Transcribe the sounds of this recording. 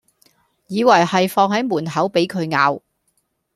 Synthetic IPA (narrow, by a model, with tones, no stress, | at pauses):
jiː˨˧wɐ˨˩jhɐ˨jfɔː˧ŋhɐ˨˥jmuː˨˩nɦɐ˨˥wpe˨˥jkʰɵ˨˧ɥŋaː˨˧w